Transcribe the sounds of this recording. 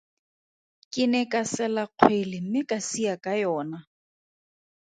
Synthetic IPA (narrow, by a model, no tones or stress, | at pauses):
kʼɪnɛkʼasɛlaq͡χʰwelɪm̩mɪkʼasiakʼajɔːna